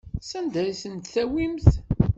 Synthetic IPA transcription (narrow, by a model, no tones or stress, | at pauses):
sænd̪æɾisənt̪θæwimθ